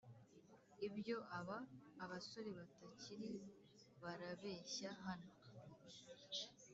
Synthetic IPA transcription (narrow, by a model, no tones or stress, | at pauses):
ibjo̞ʔaβaːβaso̞ɾeβataciɾiwo | βaɾaβe̞ːɕaɦano